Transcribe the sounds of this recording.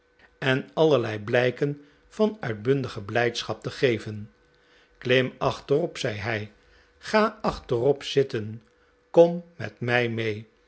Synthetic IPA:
ɛnɑləɹlɛjblɛjkən | v̥ɑnœɥdbɵndəχəblɛjtsχɑp̚təχejvən | klɪmɑχtərɔpsɛjɦɛj | χaːɑχtərɔpsɪtən | kɔmːɛ̰tmɛjmej

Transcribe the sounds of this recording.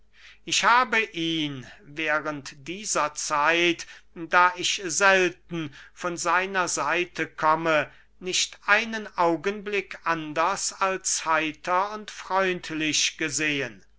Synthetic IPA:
ʔɪʃhaːbəʔiːnvɛːʁəntd̥iːzɐt͡saɪtdaːɪʃzɛltn̩fɔnzaɪnɐzaɪtʰəkʰɔmə | nɪʃtʔaɪnənʔaʊɡənblɪkʰʔandɐsalshaɪtʰɐʊntfʁ̥ɔʏntʰlɪʃɡ̥əzeːən

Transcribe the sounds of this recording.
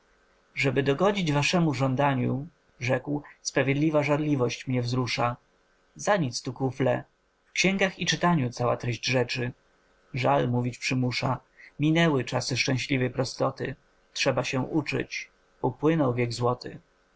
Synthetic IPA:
ʐɛbɘd̪ɔɡɔd͡ʑid͡ʑvaʂɛmuʐɔnd̪aɲu | ʐɛkwspɾavʲjed̪lʲivaʐaɾlʲivɔɕt͡ɕmɲɛvzɾuʂa | zaɲit̪st̪ukuflɛ | fkɕɛ̃ŋɡaxit͡ʂɘt̪aɲut̪sawa̰t̪ɾɛʑd͡ʑʐɛt͡ʂɘ | ʐalmuvʲit͡ɕpʂɘmuʂa | mʲinɛwɘt͡ʂasɘʂt͡ʂɛ̃w̃ɕlʲivɛjpɾɔst̪ɔt̪ɘ̰ | tʂɛbaɕɛʔut͡ʂɘ̰t͡ɕ | upwɘnɔwvʲjɛɡzwɔt̪ɘ̰

